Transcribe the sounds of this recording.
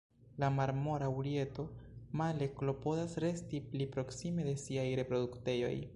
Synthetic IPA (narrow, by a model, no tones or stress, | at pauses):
lamaɾmo̞ɾauɾie̞to̞male̞klo̞po̞dasɾe̞stiplipɾo̞ksime̞de̞siajɾe̞pɾo̞dukte̞jo̞̰j